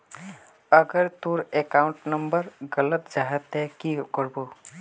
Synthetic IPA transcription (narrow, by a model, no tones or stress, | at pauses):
əɡəɾt̪uɾekaʊɳʈnəmbəɾɡələt̪d͡ʒaɦət̪ɦɛkikɔɾbo